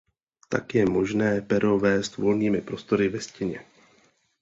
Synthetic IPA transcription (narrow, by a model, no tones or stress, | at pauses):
t̪akjɛmo̞ʒnɛːpɛɾo̞vɛːst̪vo̞lniːmɪpɾo̞st̪o̞ɾɪvɛscɪɲɛ